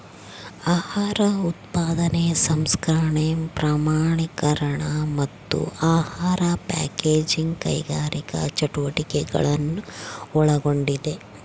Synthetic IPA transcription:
aːhaːɾɐut̪paːd̪ɐnesɐmskɾaːɳempɾaːmaːɳikɐɾɐɳɐmɐt̪ːṵʔaːhaːɾɐpa̰ːkeːd͡ʒiŋɡkɐ̰jɡaːɾikɐ̰t͡ʃɐʈuʋɐʈikɛɡɐ̰ɭɐnːuɔɭɐɡo̞ɳɖid̪e̞

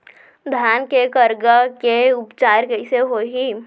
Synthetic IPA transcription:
d̪ʱjaːnkekəɾɡəkeʊpt͡ʃaːɾkəiseɦoːɦi

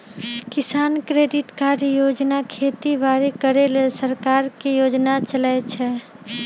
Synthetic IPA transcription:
kɪsaːnkɾeːɖɪʈkaɾjoːd͡ʒnakʰeːt̪ibaːɾekəɾelesəɾkaːɾkijoːd͡ʒnat͡ʃəlɛt͡ʃʰɛ

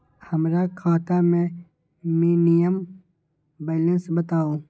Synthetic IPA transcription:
həmɾakʰaːt̪amẽ | miːnijəm | bɛːlə̃nsbət̪aːoː

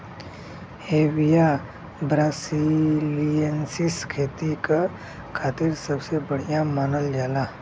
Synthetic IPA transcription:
heʋija | bɾasilijənsiskʰet̪ika | kʰat̪iːɾsəbsebəɽ̤ijamanəld͡ʒala

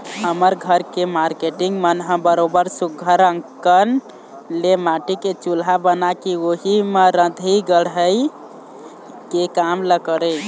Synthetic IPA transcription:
ɦəməɾɡʱəɾkemaɾkeʈiŋɡmənɦə̃bəɾobəɾsuɡʱəɾə̃ŋkən | lemaʈiket͡ʃulɦabənakioɦimeɾə̃d̪ʱiɡəɽɦəj | kekamləkəɾə

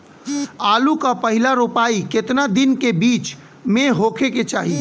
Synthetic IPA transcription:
aːlukapəɦɪlaɾopaːikɪt̪nad̪ɪnkebiːt͡ʃ | mẽɦoːkʰeket͡ʃaːɦi

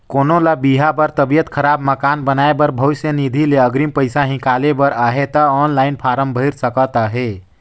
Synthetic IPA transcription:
konolabiɦabəɾt̪əbijət̪kʰəɾabməkanbənaebəɾbʱəjsenid̪ʱileəɡɾimpəjsaɦĩkalebəɾəɦet̪əɔnlainpʰaɾəmbʱəɪɾsəkət̪əɦe

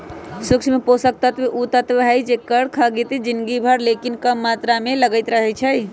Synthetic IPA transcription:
sʊkt͡ʃʰmeposək̚t̪ət̪ʋeʔut̪ət̪ʋəɦəjd͡ʒekəɽkʰəɡit̪d͡ʒɪnɡibʱəɾlekinkəmːat̪ɾameləɡəɪt̪ɾəɦɛt͡ʃʰəj

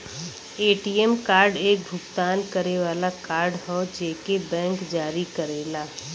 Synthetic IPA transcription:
eːʈiɛmkaːɾɖeːk̚bʱʊɡt̪aːnkəɾeʋaːlakaːɾɖɦɔːd͡ʒeːkebɛ̃ːŋkd͡ʒaːɾikəɾeːlaː

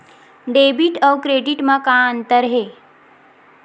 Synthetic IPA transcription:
ɖebiʈəwkɾeɖiʈməkaənt̪əɾɦe

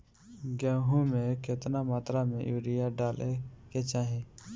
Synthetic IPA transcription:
ɡãːɦũːmẽːket̪naːmaːt̪ɾaːmḛ̃ːʔjuːɾɪjaːɖaːlʔeːkeːt͡ʃaːɦẽː

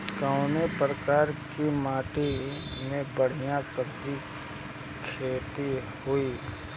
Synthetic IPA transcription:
kəʊnepɾəkaːɾkimaːʈimẽbəɽ̤ijãsəbd̪i | kʰeːt̪i | hui

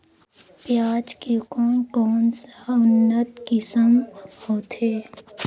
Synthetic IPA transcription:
pjaːd͡ʒkekɔːnkɔːnsaʊnːət̪kɪsəmhoːt̪ʰeː

